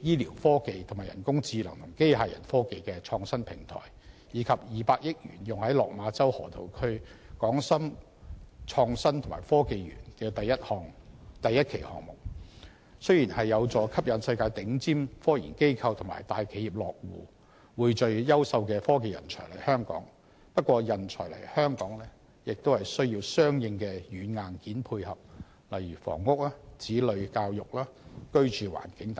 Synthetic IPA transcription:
jiː˥liː˨˩wfɔː˥ke˨jt̪ʰmaː˨˩jɐ˨˩nkʊ˥ŋt͡siː˧lɐ̰˨˩ŋt̪ʰʊ˨˩ŋke˥jɦaː˨jɐ̰˨˩nfɔː˥ke˨jkɛː˧t͡ʃʰɔː˧ŋsɐ˥npʰɪ˨˩ŋt̪ʰɔ̰ː˨˩jjiː˨˧kʰɐ˨p̚jiː˨paː˧k̚jɪ˥k̚jyː˨˩njʊ˨ŋhɐ˨˥jlɔː˨k̚maː˨˧t͡sɐ˥whɔ̰ː˨˩t̪ʰo̰˨˩wkʰɵ˥ɥkɔː˨˥ŋsɐ˥m | t͡ʃʰɔː˧ŋsɐ˥nt̪ʰʊ˨˩ŋma̰ː˨˩jfɔː˥ke˨˧jɥy̰ː˨˩nkɛː˧t̪ɐ˨jːɐ˥t̚hɔː˨ŋt̪ɐ˨jɐ˥t̚kʰe˨˩jhɔ̰ː˨ŋmʊ˨k̚ | sɵ˥ɥjiː˨˩nhɐ˨jːɐ˨˧wt͡sɔː˨˩kʰɐ˥p̚jɐ˨˥nsɐ˧jkaː˧jt̪ɪ˨˥ŋt͡siː˥mfɔː˥jḭː˨˩nke˥jkʰɐ˧wt̪ʰʊ˨˩ma̰ː˨˩jt̪aː˨jkʰe˨˥jiː˨˩p̚lɔː˨k̚wṵː˨ | wuː˨˧jt͡ʃɵ˧ɥjɐ˥wsɐ˧wkɛː˧fɔː˥ke˨˧jɐ̰˨˩nt͡ʃʰɔ̰ː˨˩lɐ˨˩jhœː˥ŋkɔ̰ː˨˥ŋ | pɐ˥t̚kʷɔː˧jɐ˨˩nt͡ʃʰɔ̰˨˩jlɐ̰˨˩jhœː˥ŋkɔː˨˥ŋlɛː˥ | jɪ˨k̚t̪o˥whɐ˨jsɵ˥ɥji˧wsœː˥ŋjɪ˧ŋkɛː˧jyː˨˧nŋaː˨nkiː˨˥npʰuː˧jhɐ˨p̚ | lɐ˨jɥyː˨˩fɔ̰ː˨˩ŋːʊ˥k̚laː˥t͡siː˨˥lɵ˨˧ɥkaː˧wjʊ˨k̚laː˥kɵ˥ɥt͡ʃyː˨wa̰ː˨˩nkɪ˨˥ŋt̪

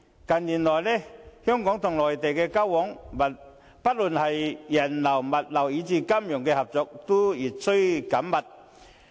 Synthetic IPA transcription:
kɐ˨˩nliː˨˩nlɔː˨˩jlɛː˥hœː˥ŋkɔː˨˥ŋt̪ʰʊ˨˩ŋlɔː˨˩jt̪e˨jkɛː˧kaː˥wwɔː˨˥ŋmɐ˨ | pɐ˥t̚luː˨˩nhɐ˨jjɐ˨˩nlɐ˨˩wmɐ˨t̚lɐ˨˩wiː˨˧˥t͡siː˧ka˥mjʊ˨˩ŋkɛː˧hɐ˨p̚t͡sɔː˨˧k̚t̪ʊ˥jiː˨˩t̚sɵ˥ɥkɐ˨˥mːɐ˨t̚

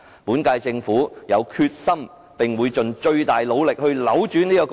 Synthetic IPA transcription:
puː˨˥nkaː˧jt͡sɪ˧ŋfuː˨˥jɐ˨˧wkʰyː˧t̚sɐ˥m | pɪ˨ŋwuː˨˧jt͡ʃɵ˨˩nt͡ʃɵ˧ɥt̪aː˨jlo˨˧wlɪ˨k̚hɵ˧ɥlɐ˨˥wt͡ʃyː˨˥niː˥kɔː˧

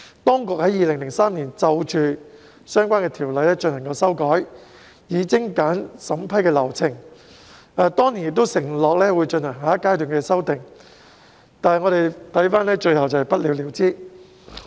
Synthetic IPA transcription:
t̪ɔː˥ŋkʊ˨k̚hɐ˨˥jiː˨˧lɪ˨˩ŋlɪ˨˩ŋsaː˥mniː˨˩nt͡sɐ˧wt͡ʃʰyː˧ | sœː˥ŋkʷaː˥nkɛː˧t̪ʰiː˨˩wlɐ˨˧jlɛː˥t͡ʃɵ˧nɐ˨˩ŋkɐ˧wsɐ˥wkɔː˨˥j | jiː˨˧kɪ˥ŋkaː˨˥nsɐ˨˥mpʰɐ˥jkɛː˧lɐ˨˩wt͡sʰɪ˨˩ŋ | aː˧t̪ɔː˥ŋniː˨˩njɪ˨k̚t̪o˥wsɪ˨˩ŋlɔː˨k̚lɛː˥wuː˨˧jt͡ʃɵ˧nhɐ˨˩ŋɦaː˨˦˥kːaː˥jt̪y˨˩ŋkɛː˧sɐ˥wt̪ɪ˨˩ŋ | t̪aː˨nhɐ˨jŋɔː˨˧t̪e˨˩jt̪ʰɐ˨˥jfaː˥nlɛː˥t͡ʃɵ˧ɥhɐ˨wt͡sɐ˨˩hɐ˨jpɐ˥t̚liː˨˧wliː˨˧wt͡siː˥

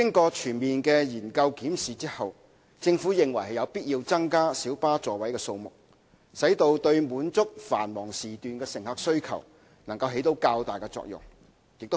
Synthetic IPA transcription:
kɪ˥ŋkɔː˧t͡ʃʰyː˨˩nmiː˨nkɛː˧jiː˨˩nkɐ˧wkiː˨˥msiː˨t͡siː˥hɐ˨w | t͡sɪ˧ŋfuː˨˥jɪ˨ŋwɐ˨˩jhɐ˨˩jɐ˨˧wpiː˥t̚jiː˧wt͡sɐ˥ŋkaː˥siː˨˥wpaː˥t͡sɔː˨wɐ˨˥jkɛː˧so˧wmʊ˨k̚ | sɐ˨˥jt̪o˧wt̪ɵ˧ɥmuː˨˥nt͡sʊ˥k̚fa̰ː˨˩nmɔː˨˩ŋsiː˨t̪yː˨nkɛː˧sɪ˨˩ŋhaː˨˧k̚sɵ˥ɥkʰɐ̰˨˩w | nɐ˨˩ŋkɐ˧wɦe˨˥jt̪o˨˧wkaː˧wt̪aː˨˩jkɛ˧t͡sɔ̰ː˧k̚jʊ̰˨˩ŋ | jɪ˨k̚t̪

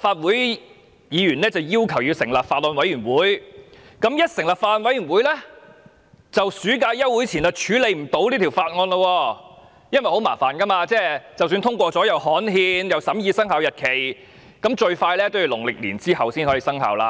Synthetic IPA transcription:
faː˧t̚wuː˨˥j | jiː˨˧jyː˨˩nlɛː˥t͡sɐ˨wjiː˥wkʰɐ˨˩wjiː˨˧wsɪ˨˩ŋlaː˨p̚faː˧t̚lɔː˧nwɐ˨˥jyː˨˩nwuː˨˥j | kɐ˨˥mjɐ˥t̚sɪ˨˩ŋlaː˨˩pfaː˧lɔ˧nwɐ˨˥jyː˨˩nwuː˨˥jlɛː˥ | t͡sɐ˨wsyː˨˥k̬aː˧jjɐ˥wu˨˥jt͡sʰiː˨˩nɐ˧t͡ʃʰyː˨˥le˨˧jm̩˨˩t̪o˨˥wliː˥t̪ʰi˨˩wfaː˧t̚ŋɔː˧nlə˧wɔː˧ | jɐ˥nwɐ˨˩jho˨˧˥wmaː˨˩faː˨˩nkɐ˥maː˧t͡sɛː˥˩t͡sɐ˨wsyː˧nt̪ʰʊ˥ŋkʷɔː˧t͡sɔː˨˥jɐ˨whɔː˨˥nɦiː˧njɐ˨wsɐ˨˥mjiː˨˧sɐ˥ŋɦaː˨˧wjɐ˨t̚kʰe˨˩j | kɐ˨˧˥mt͡ʃɵ˧ɥfaː˧jlɛː˥t̪o˥wji˨˧wlʊ˨˩ŋlɪ˨k̚liː˨˩nt͡siː˥hɐ˨wsiː˥nhɔː˨˥jiː˨˧sɐ˥ŋɦa̰ː˨˩wla̰ː˧

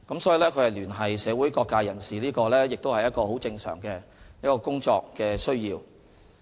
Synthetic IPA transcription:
kɐ˨˦msɔː˨˥ji˨˧lɛː˥kʰɵ˨˧hɐ˨jlyː˨˩nɦɐ˨jsɛː˨˧wu˨˥jkɔː˧kːaː˧jɐ˨˩nsiː˨˩liː˥kɔː˧lɛː˥jɪ˨k̚t̪o˥hɐ˨jɐ˥t̚kɔː˧ho˨˥wt͡sɪ˧ŋsœ̰ː˨˩ŋkɛː˧jɐ˥t̚kːɔː˧kʊ˥ŋt͡ʃɔː˧kːɛː˧sɵ˥ɥjiː˧w

